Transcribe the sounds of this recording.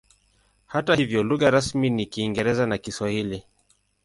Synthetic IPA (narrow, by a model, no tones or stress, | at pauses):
hatahivjɔluɣaɾasminikiːŋɡɛɾɛzanakiswahili